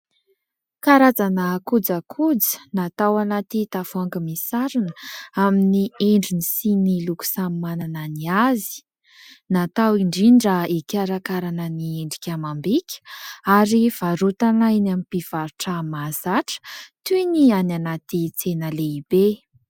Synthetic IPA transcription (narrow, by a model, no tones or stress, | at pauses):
kaɾad͡zanəkud͡zakʰud͡zə̥nat̪awanat̪it̪afuaŋɡəmisaɾinəaminieɳɖ͡ʐinisiniluku̥sammanananiazi̥ | nat̪awiɳɖ͡ʐiɳɖ͡ʐəikʲaɾakaɾanənieɳɖ͡ʐikʲamambikʲə̥aɾiv̥aɾut̪anajnamipiv̥aɾuʈ͡ʂəmazaʈ͡ʂə̥t̪uniananat̪it͡senəleibe